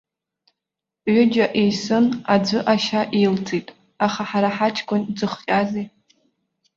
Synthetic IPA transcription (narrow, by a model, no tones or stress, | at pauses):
ʕʷʊd͡ʒaʔejsɨnad͡zʷɨʔaʃaʔejlt͡sʰʼitʼ | aχaħaɾaħat͡ʃʰʼkʰʷʼʊnd͡zɨχqʲʼazi